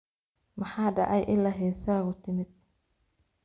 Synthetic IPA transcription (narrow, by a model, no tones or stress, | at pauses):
mɐħɑːɖɑʕɑ̰jʔɪlːɐɦɛːsaːɣʊt̪ʰɪmɪd̪̥̚